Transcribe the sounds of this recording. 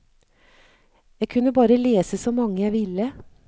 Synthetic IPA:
jæɪkʰʉnːəbɑːɾəleːsəsɔmɑŋːəjæɪʋɪlːə

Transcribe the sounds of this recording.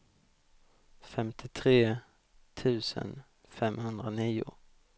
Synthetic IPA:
fɛmt̪ʰɪt̪ʰʁeː | t̪ʰʉ̟ːsə̰n | fɛmhɵnd̪ɾəniːʊ̰

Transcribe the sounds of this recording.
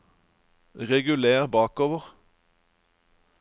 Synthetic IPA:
ʁɛɡʉleːʁbɑːkoːʋəʁ

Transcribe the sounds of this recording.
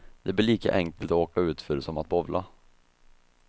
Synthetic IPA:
d̪ɛblɪɭiːka̰ʔɛŋkəlt̪ɔoːkaʉ̟ːt̪fœɾɛsɔmat̪̚bɔvlʔa

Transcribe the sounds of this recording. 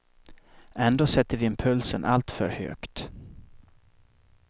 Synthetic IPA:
ɛnd̪oːsɛt̪ːəɾvɪɪmpʰɵlsənʔalt̪fœɾhø̰ːkt̪

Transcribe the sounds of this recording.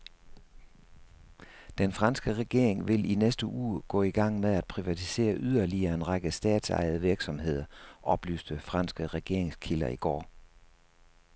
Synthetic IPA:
d̥enfʁɑ̈nsɡ̥əʁɛɡ̥e̝ɐ̰e̝ŋʋe̝lʔinesd̥əʔṵːɡ̥ɔ̰̽ːiɡ̥ɑ̈ŋ̰meðˠæd̥̚pʰʁiʋæt͡sʰi̥se̝̰ːɐʔyð̞ˠɐliɐenʁɑ̈ɡ̥əsd̥ɛ̰ːd̥sɑ̰̈ɪð̩ˠʋiɐɡ̥sɒ̽mɦe̝ð̞̰ˠɐʔɒ̽b̥ly̰ːsd̥əfʁɑ̈nsɡ̥əʁɛɡ̥e̝ɐ̰e̝ŋskʰilɐiɡ̥ɒ̰ː

